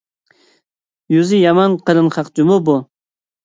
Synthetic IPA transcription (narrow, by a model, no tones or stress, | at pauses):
juzɪjɑmɑnqəɾɨnχɑqt͡ʃumʊbu